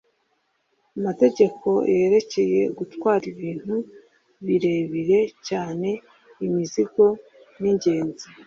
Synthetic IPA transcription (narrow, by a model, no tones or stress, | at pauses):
amate̞ɟe̞kʰo̞jeɾe̞ce̞je̞ɡutwaːɾiβiːn̥hu | βiɾe̞βiɾe̞caːne̞ | imiziɡo̞ | niɲɟe̞ːnzi